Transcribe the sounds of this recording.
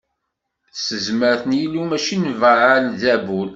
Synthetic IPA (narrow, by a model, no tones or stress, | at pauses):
səzməɾθənjilːumæʃinvəʕanðæbul